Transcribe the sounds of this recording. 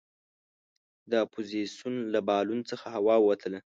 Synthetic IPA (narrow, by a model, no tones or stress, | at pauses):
d̪əapʰozisjunlabɑlunt͡səxaɦawɑwwat̪ʰəla